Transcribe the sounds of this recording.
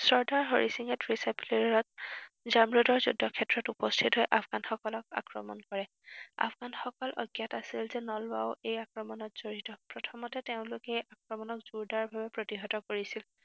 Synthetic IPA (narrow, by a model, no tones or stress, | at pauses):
sɔɹdaɹɦoɹisiŋɛtɹisajpliɹɔt̚ | zamɹudɔɹzṵdɔkʰɛtɹɔtupɔstʰitɦɔjʔapʰɡanxɔkɔlɔk̚a̰kɹɔ̰mɔ̰nkɔɹɛ | a̰pʰɡanxɔkɔlʔɔ̰ɡjatasilzɛnɔlwa̰ʊejakɹɔmɔnɔtz̥oɹitɔpɹɔtʰɔmɔtɛteʊ̃lʊkɛʔakɹɔmɔnɔkz̥uɹdaɹbʱabɛpɹotiɦɔtɔkoɹisil